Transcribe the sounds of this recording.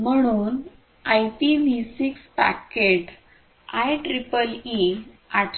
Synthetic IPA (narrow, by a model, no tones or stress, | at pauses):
m̤əɽ̃uːn | ajpibisikspa̰keʈ | ajʈɾipəli | aʈʰ